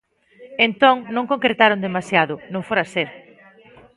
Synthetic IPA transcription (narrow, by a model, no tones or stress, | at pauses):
ent̪oŋnõŋkoŋkɾet̪aɾond̪emasjaðʊnõŋfoɾaseɾ